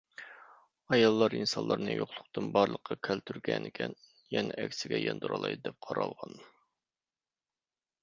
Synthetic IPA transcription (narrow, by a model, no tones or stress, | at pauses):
ɑjɑlˠːɑɾinsɑnlˠʔɑɾnɨjoχlˠʊqt̪ʰɨnbɑɾlˠəqʰːɑkʲʰælt̪ʰyɾɡʲɛnɪkʲʰɛn | jɛnɛʔɛkʲsɪɡʲɛjɑnd̪uɾɑlˠɑjd̪ɛp̚qʰɑɾɑlˠʁɑn